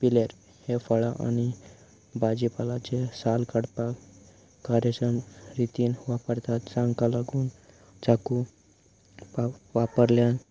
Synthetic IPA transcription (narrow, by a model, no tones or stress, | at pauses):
pileɾ | hefəɭaʔa̰ni | bad͡ʑipalat͡sesalkəɽpak | kaɾjəsɾəmɾit̪iːnʋapəɾt̪at̪̚t͡saŋkalaɡuːn | t͡saku | aʋapəɾljan